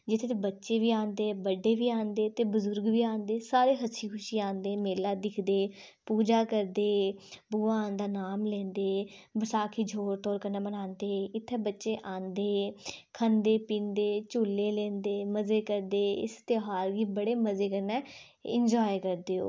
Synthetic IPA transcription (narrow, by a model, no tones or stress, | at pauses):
d͡ʒɪt̪ʰːeːt̪ebətːʃeːʋiːãːnd̪eːbəɖeːʋiːãːnd̪eːt̪eːbʊzʊɾɡʋiːãːnd̪eːsaːɾeːɦəsʰiːkʰʊʃiːãːnd̪eːmeːlaːd̪ɪkʰd̪eː | puːd͡ʒaːkəɾd̪eːbuːaãːnd̪aːnaːmlɛ̃ːnd̪eːbəsaːkʰiːd͡ʒʱoːɾt̪ɔːɾkənɛːmənãːnd̪eːɪt̪ʰːeːbətːʃeːʔãːnd̪eːkʰənd̪eːpĩːnd̪eːt͡ʃulːeːlɛ̃ːnd̪eːməzeːkəɾd̪eːɪ̰st̪eɦaːɾɡiːbəɽeːməzeːkəɾnɛː | ɪ̰nd͡ʒɔːjkəɾd̪eːo̰ː